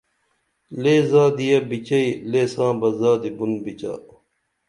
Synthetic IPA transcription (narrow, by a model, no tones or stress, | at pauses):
leːzaːd̪ijɐbit͡ɕɐileːsãːbɐzaːd̪ibunbit͡ɕa̰ː